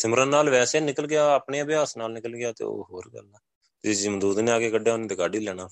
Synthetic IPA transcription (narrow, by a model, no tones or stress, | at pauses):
sɪmɾənnːaːlʋɛːseːnɪkəlɡɪaːəpɳeːəbɪjaːsnaːlnɪkəlɡɪaːt̪ḛːo̰ːɦoːɾɡə̰lɛː | t̪eːd͡ʒɪmd̪uːd̪nẽːaːkeːkəɖːeʊnãːd̪eːkaːɖiːlɛːɽ̃aː